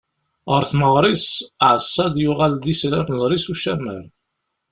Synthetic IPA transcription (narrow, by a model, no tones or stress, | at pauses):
ʁəɾθməʁˤɾˤisʕəsˤːɑd̪jʊʁald̪isɾæməzˤɾisuʃæmːə̰ɾ